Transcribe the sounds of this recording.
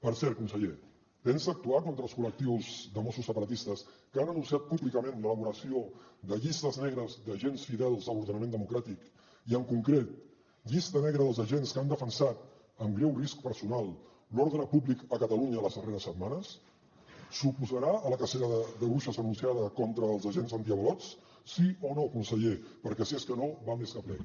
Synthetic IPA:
pəɾsɛɾkunsəʎe | t̪enzək̚t̪uak̪ont̪ɾəlˠskulək̚t̪iwzðəmɔsusːəpəɾət̪ist̪əskəanənunsiat̪̚puβlikəmẽnlələβuɾəsioðəʎist̪əznɛɣ̞ɾəzðəʒensfiðɛlˠzðəlβuɾðənəmend̪əmukɾat̪ik | iəŋkuŋkɾet̪̚ | ʎist̪ənɛɣɾəðəlˠzəʒenskand̪əfənsat̪ | əmɡɾɛwrisk̚pəɾsunalˠ | lɔɾðɾəpuβlikəkət̪əluɲələzðəreɾəsːət̪manəs | supuzəɾaələkəseɾəðəðəβuʃəzənunsiaðəkɔnt̪ɾəːlˠzəʒenzənt̪iəβəlɔt͡s | sionokunsəʎepəɾkɛsieskənoβalˠmeskəplɛ̰

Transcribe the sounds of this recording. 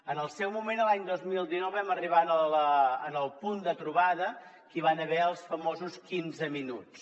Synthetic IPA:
ənəlˠsɛwmumenəlˠaɲd̪ozmilˠd̪inɔwβɛməriβ̞anələənəlˠpund̪ət̪ɾuβaðə | kiβanəβɛəlˠsfəmozuskinzəminut͡s

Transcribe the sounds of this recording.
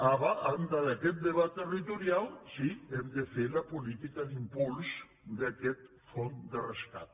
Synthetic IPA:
aβaʔand̪aðakɛt̪̚d̪eβat̪ːerit̪uɾjalsiɛmd̪efelapulit̪ikaðimpuls | d̪akɛt̪ | fond̪ereska̰t̪̚

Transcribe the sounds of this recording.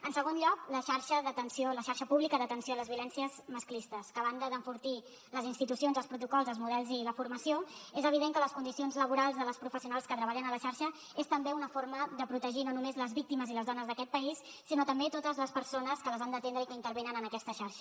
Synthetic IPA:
ənsəɣ̞onʎɔkləʃaɾʃəðət̪ənsioləʃaɾʃəpuβlikəðət̪ənsioləzβiulɛnsiəzməsklist̪əskəːβand̪əðəɱfuɾt̪i | ləzinst̪it̪usionzəlˠspɾut̪ukɔlˠzəlˠzmuð̞ɛlˠziləfuɾməsioezəβ̞iðeŋkələskund̪isionzləβuɾalˠzðələspɾufəsiunalˠskət̪ɾəβaʎənələʃaɾʃə | est̪əmbeunəfoɾməðəpɾut̪əʒinonumezləzβik̚t̪iməziləzðɔnəzðəkɛt̪̚pəisːinot̪əmbet̪ot̪əzləspəɾsonəskələzand̪ət̪end̪ɾəikəint̪əɾβenənənəkɛst̪əʃaɾʃə

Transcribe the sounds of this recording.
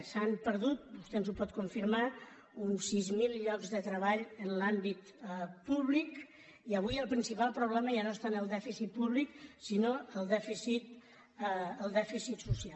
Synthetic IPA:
sampəɾðut̪̚bust̪enzupɔt̪kuɱfiɾma | unsizmilˠʎɔkzðət̪ɾəβaʎənlambit̪ | puβlik | iəβ̞ujəlˠpɾinsipalˠpɾuβlɛməʒanoest̪anəlˠd̪ɛfisit̪̚puβliksinoəlˠd̪ɛfisit̪̚ | əlˠd̪ɛfisit̪susialˠ

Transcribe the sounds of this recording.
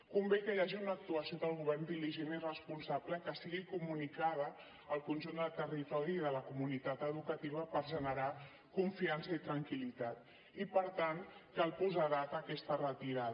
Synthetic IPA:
kumbekəjaʒiunəːk̚t̪uəsioðəlˠɣuβɛrnd̪iliʒenirəspunsabləkəsiɣikumunikað̞əː | lˠkunʲʒund̪əlˠt̪ərit̪ɔɾiːðələkumunit̪at̪əðukət̪iβəpəɾʒənəɾa | kuɱfiansəit̪ɾəŋkilit̪at̪ | ipəɾt̪ankəlˠpuzaɾat̪əkɛst̪ərət̪iɾa

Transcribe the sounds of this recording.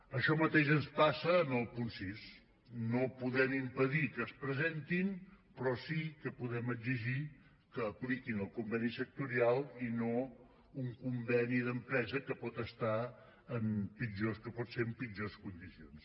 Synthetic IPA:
əʃɔmət̪eʒənspasəːnəlˠpunsis | nopuðɛmimpəðikəːspɾəzent̪inpɾɔsikəpuðɛməziʒi | kəːplikinəlˠkumbɛnisək̚t̪uɾialˠino | uŋkumbɛniðəmpɾɛzəkəpɔt̪əst̪a | əmpid͡ʒoskəpɔt̪seəmpid͡ʒoskund̪isions

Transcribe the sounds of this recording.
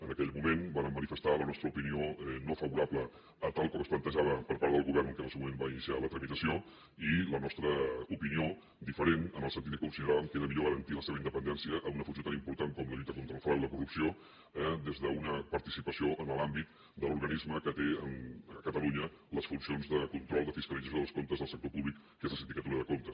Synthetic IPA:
ənəkɛʎmumenbaɾəmːənifəst̪alənɔst̪ɾəupinioɛnofəβuɾapləː | t̪alˠkɔməsplənt̪əʒaβəpəɾpaɾðəðəlˠɣuβɛɾnəŋkɛləsumumembainisialət̪ɾəmit̪əsio | ilənɔst̪ɾəupinio | d̪ifəɾenənəlsənt̪it̪əkunsinəɾaβəmkeðəmiʎoɣəɾənt̪iləseβəind̪əpənd̪ɛnsiəʔːunəfunsiot̪animpuɾt̪aŋkɔmləʎut̪əkont̪ɾəlfɾaliləkurupsio | ɛd̪ezðəunəpəɾt̪isipəsioʔənəlambit̪ | d̪əluɾɣənizməkət̪eənkət̪əluɲə | ləsfunsionzðəkunt̪ɾɔlˠd̪əfiskəlidd͡zəsjoðəskont̪əzðəlˠsək̚t̪opuβlikːezləsind̪ikət̪uɾəðəkont̪əs

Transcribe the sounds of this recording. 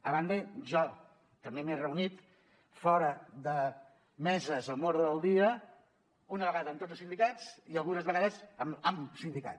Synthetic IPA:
əβand̪əʒɔ | t̪əmbemerəunit̪ | fɔɾəðə | mɛzəzəmoɾðəlˠd̪iə | unəβəɣaðəːmt̪od͡zəlˠsind̪ikad͡ziəlˠɣunəzβəɣaðəzəməmsind̪ika̰

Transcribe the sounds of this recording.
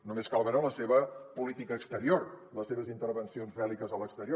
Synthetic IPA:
numeskalˠβənoləseβəpulit̪ikəːkst̪əɾiorləseβəzint̪əɾβənsionzβɛlikəzələkst̪əɾio

